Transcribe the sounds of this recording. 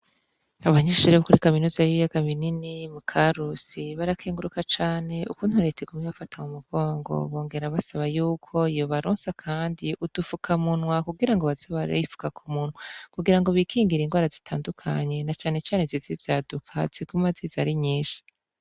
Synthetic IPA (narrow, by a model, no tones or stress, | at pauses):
aβaɲeːʃuɾeβokuɾikaminuːzajiβijaɡaβininimukʰaɾusiβaɾakʰeːŋɡuɾukat͡ʃaːne̞ṵkuːn̥huɾetʰeɡumiβafatʰamumuɡ̥o̞ːŋɡo̞̰βo̞ːŋɡe̞ɾaβasaβajuːkʰo̞ijoβaɾoːnsakʰaːndiʔud̥ufukʰamunwakuɡiɾaŋɡo̞βazoβaɾḛifu̥kakʰumunwakuɡiɾaŋɡo̞βikʰiːŋɡiɾiŋɡwaːɾazitʰaːndukʰa̰ɲe̞nat͡ʃaːne̞t͡ʃaːnezizivjaːdukʰa̰z̥iɡ̥umazizaɾiɲiːʃi̥